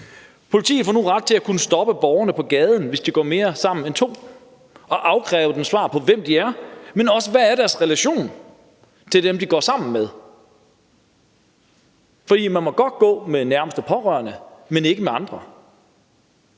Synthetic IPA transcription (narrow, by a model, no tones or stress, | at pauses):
pʰo̝lit͡sʰḭːð̩ˠfɒ̰ːnuʁɑ̈d̥̚t͡sʰe̝lækʰunəsd̥ɒ̽b̥əb̥ɒʊɐnəpʰɒ̽ɡ̥ɛːð̞ˠn̩ʋe̝sd̥iɡ̥ɒ̰ːme̝ːɐsɑ̈m̰n̩ent͡sʰo̝̰ː | ɒ̽ʔɑ̈ʊkʰʁɛ̰ːɐd̥emsʋɑ̰̈ːpʰɒ̽ʋem̰d̥iæɐmenɒ̽səʋæːɐɾ̥æɐsʁɛlæɕo̝̰ːn | t͡sʰe̝ld̥emd̥iɡ̥ɒ̰ːsɑ̈m̰n̩með̞ˠ | fɒd̥ḭːmænmɒ̽ɡ̥ɒ̽d̥̚ɡ̥ɔ̰̽ːmenæɐməsd̥ɒ̽pʰɒ̽ʁɶ̰ɐnəmene̝ɡ̥əmeɑ̈nd̥ʁɐ